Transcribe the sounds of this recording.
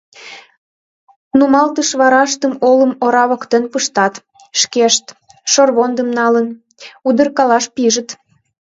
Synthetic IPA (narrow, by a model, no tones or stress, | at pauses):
numɑlt̪əʃβɑɾɑʃt̪əmoləmoɾɑβokt̪enpəʃt̪ɑt̪ | ʃkeʃt̪ | ʃorβond̪əmnɑlən | ud̪ə̆rkɑlɑʃpiʒət̪